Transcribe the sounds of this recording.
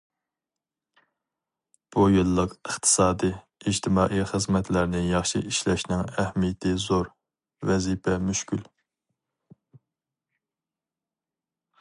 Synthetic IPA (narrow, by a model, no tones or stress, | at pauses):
b̥ujɨlˠːəqəχt̪ʰɨ̥sɑːd̪ɨ | id͡ʒt̪ʰɪmɑːʔiχəzmɛt̪ʰlæɾnɪjɑχʃiiʃlɛʃnɪŋɛhmijɛt̪ʰɪzoɾ | vɛzipʰɛmyʃkʲyl